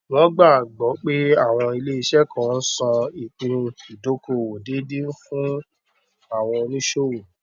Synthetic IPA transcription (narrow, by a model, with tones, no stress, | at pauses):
lɔ˦ɡ͡ba˦˨ɡ͡bɔ˨˦k͡pe˦a˦˨w̃ɔ̃˧i˧le˦i˧ʃɛ˦kã˨n̩˦sɔ̃˧i˨k͡pĩ˧i˨do˨˦ko˧˨wo˨de˨˦de˦fũ˦ | a˦˨w̃ɔ̃˧o˧nĩ˦ʃo˦˨wo˨